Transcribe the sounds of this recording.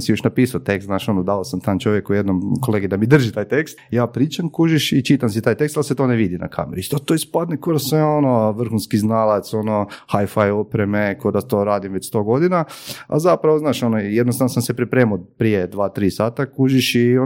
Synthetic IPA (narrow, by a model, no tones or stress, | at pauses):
msijoʃnapiːsat̪ekst̪naːʃo̞nod̪aosamt̪aːnt͡ʃo̞ʋjekujed̪nomko̞leɡid̪amid̪r̩ʒit̪aːjt̪ekst̪jaːpɾiːt͡ʃamkuʒiʃit͡ʃit̪amsit̪aːjt̪e̞kst̪alset̪o̞neʋid̪ina̰kʰa̰meɾi̥t̪ot̪oːispad̪nekod̪asʋeo̞noʋr̩xunskiznalˠat̪so̞no̞xajfajopɾemekod̪at̪o̞ɾaːd̪imʋet͡ɕst̪o̞ɡo̞d̪inaa̰zapɾaʋoznaːʃo̞nojed̪nost̪anosamsepɾipɾeːmopɾijed̪ʋaːt̪ɾiːsaːt̪akuʒiʃio